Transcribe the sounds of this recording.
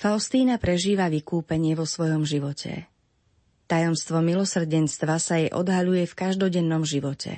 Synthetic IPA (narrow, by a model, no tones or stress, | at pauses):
faʊst̪iːnapɾɛʒiːʋaʋikuːpɛɲɪɛʋɔsʋɔjɔmʒiʋɔcʰɛ̰ | t̪ajɔmst̪ʋɔmilɔsr̩ɟɛnst̪ʋasajɛʔɔ̰d̪ɦaʎujɛfkaʒd̪ɔɟɛnːɔmʒiʋɔcʰɛ̰